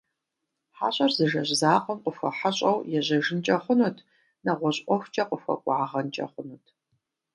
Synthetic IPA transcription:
ħa̰ːɕʼɐrzɨʒɐʑzaːqəmqʷʼəfʷɐ̰ħaɕʼɐwjɛʑɐʒɪnt͡ʃʼɐχʷʊnuːtʰ | nɐʁʷɔɕʼɔxʷt͡ʃʼɐqʼəfʷɐ̰kʷʼɑʕʁɐnt͡ʃʼɐ̰χʷʊnuːtʰ

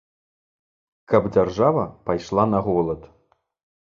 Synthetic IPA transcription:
kɐbd͡zʲarʐavɐpajʂlˠanɐɣɔlˠɐt̪

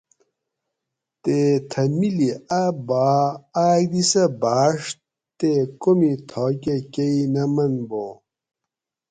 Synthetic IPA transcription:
t̪eːt̪ʰɐmiliɐbaːaːjd̪isɐbaːʂ | t̪ekomit̪ʰoːk̬ekɐinɐmɐnbõː

